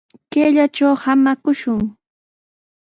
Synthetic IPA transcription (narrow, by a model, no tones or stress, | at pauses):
keːʎat͡ʃawhamakʊʃʊŋ